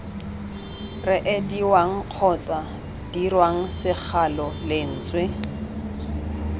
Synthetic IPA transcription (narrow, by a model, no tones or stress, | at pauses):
rɪʔediwaŋ̩q͡χʰɔt͡sʼa | d̥irwaŋ̩sɪk͡xʰalɔlen̩ːt͡sʼwe